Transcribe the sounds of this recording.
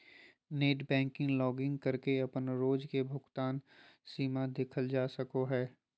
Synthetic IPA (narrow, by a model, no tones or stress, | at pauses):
neːʈbɛ̃ːŋkɪ̃ŋɡlɔːɡɪ̃ŋɡ̚kɐɾkeɐpənɾoːd͡ʒkebʱʊɡt̪aːnsiːmad̪eːkʰəld͡ʒaːsɐkoɦɛː